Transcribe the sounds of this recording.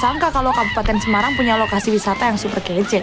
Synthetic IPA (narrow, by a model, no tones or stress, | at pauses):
saŋkakalowkabupat̪ɛnsəmaɾaŋpuɲalokasiwisat̪ajaŋsupərɡɛd͡ʒɛ